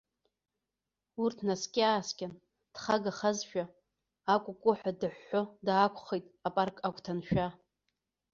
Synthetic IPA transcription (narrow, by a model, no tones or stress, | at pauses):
urtʰnaskʲʼɪaːskʲʼan | d̥χaɡaχazʃᶣaː | kʷʼʊkʷʼʊħʷᶣadɨħːodaːkʷʰʼχejtʼapʼarkʼakʷʰʼtʰanʃᶣa